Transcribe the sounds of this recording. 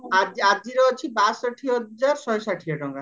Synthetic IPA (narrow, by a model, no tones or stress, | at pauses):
ad͡ʑad͡ʒiɾɔot͡ʃʰibasɔʈʰiɦɔd͡ʒaɾsɔjsaʈʰiɔʈɔŋɡa